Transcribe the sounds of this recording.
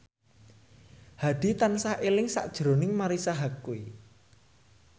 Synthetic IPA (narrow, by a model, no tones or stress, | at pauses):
had̪̥i̤t̪ansahʔelɪŋsa̰ʔd̥ʒ̥ɾo̤nɪŋmaɾisaɦakːui